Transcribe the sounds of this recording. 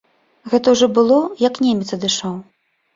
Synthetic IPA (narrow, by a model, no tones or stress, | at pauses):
ɣɛt̪ɐwʐɔbɨlˠɔjɐknʲemʲɛt̪sɐd̪ɨʂaw